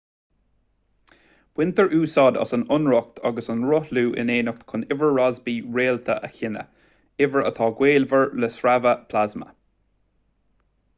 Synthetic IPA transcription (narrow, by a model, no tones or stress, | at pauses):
w̥wɪnt̪əɹʔuːsɔd̪ɑ̰sənʊnɹʊk̚t̪ʰɑɡəsənɹʊhluːʔɪ̰neːnʊk̚t̪kʰʊnɪvəɹːazbiːɹeːlt̪ʰə̰ʔəçɪnə̰ | ɪvəɹə̰t̪ʰɑːɡweːlvəɹləsɹavəpʰlazmə̰